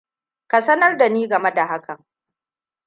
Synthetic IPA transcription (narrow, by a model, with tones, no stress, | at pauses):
ka˨sɐ˦nɐ˦rda˨niː˦ɡɐ˨me˦da˨ha˦kɐ˨ŋ